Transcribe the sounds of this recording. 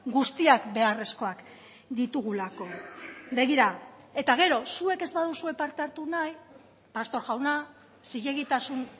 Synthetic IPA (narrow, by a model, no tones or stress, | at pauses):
ɡust̪iakbe̞are̞sko̞ak | d̪it̪uɣ̞ulako̞be̞ɣ̞iɾae̞t̪aɣ̞e̞ɾo̞sue̞ke̞zβaðusue̞paɾt̪eaɾt̪unaj | past̪o̞ɾʝawna | siʎe̞ɣ̞it̪asun